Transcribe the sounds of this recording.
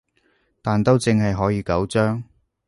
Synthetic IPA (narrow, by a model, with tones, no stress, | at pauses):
t̪aː˨nt̪o˥wt͡sɪ˧ŋɦɐ˨jɦɔː˨˥jiː˨˧kɐ˨˥wt͡ʃœː˥ŋ